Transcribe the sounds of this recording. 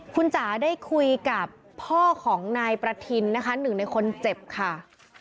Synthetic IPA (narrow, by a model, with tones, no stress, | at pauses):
kʰu˧nsaː˩˦daː˥˩jkʰu˧jka˨˩pʰːɔː˥˩kʰɔː˩˦ŋnaː˧jpɾa˧t̪ʰi˧nːa˦˥kʰa˦˥nɯ˨˩ŋna˧jkʰo˧nt͡ɕe˨˩p̚kʰa˥˩